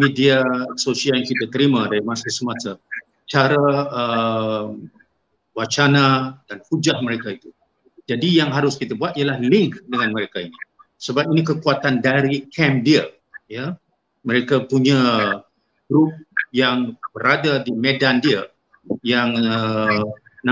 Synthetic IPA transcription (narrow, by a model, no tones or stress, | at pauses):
midiasosiajaŋkit̪at̪əɾimadaɾimasasəmasa | t͡ʃaɾaəm | wat͡ʃanadanhud͡ʒahməɾekait̪u | d͡ʒadijaŋɦaɾʊskit̪abuat̪̚ijalahlɪŋkdəŋanməɾekaini | səbap̚inikəkuat̪andaɾikʰɛmdiə | ja | məɾekapuɲa | ɡ̥ɾup̚jaŋb̥əɾadadimedandiə | jaŋə | na